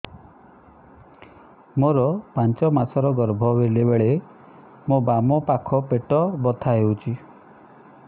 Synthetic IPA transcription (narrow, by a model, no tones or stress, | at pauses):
moɾɔpant͡ʃɔmasɔɾɔɡɔɾbʱɔbelebeɭe | mobamɔpakʰɔpeʈɔbɔt̪ʰaɦewt͡ʃʰi